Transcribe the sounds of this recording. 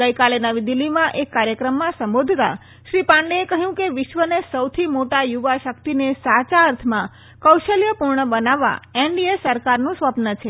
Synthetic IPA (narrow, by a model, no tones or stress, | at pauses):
ɡəjkalenəʋid̪ilːimãʔekːaɾjəkɾəmːãsə̃mbod̪ʱt̪a̰ | ʃɾipãɳɖeekəɦjũkeʋɪʃʋənesəwt̪ʰimoʈajuʋaʃək̚t̪inesat͡ʃaəɾt̪ʰmã | kəwʃəljəpuɾɳəbənaʋa̰eɳɖiesəɾkaɾnũsʋəpnət͡ʃʰe